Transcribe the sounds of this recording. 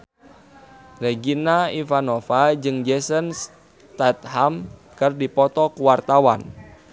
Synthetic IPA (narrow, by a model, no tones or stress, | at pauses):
rɛɡinaifanofad͡ʒɨŋd͡ʒɛsəns | t̪at̪̚hamkɨrdipɔt̪ɔkuwart̪awan